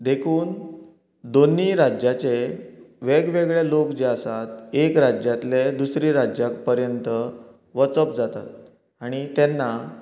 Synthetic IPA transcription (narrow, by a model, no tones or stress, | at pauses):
d̪ekʰuːn | d̪onːiːɾad͡ʑjat͡ɕeʋeɡʋeɡɭelokd͡ʑeasat̪ekɾad͡ʑjat̪led̪usɾiɾad͡ʑjak̚pəɾjənt̪ə | ʋət͡səpd͡zat̪a̰t̪̚ | aɽ̃it̪enːa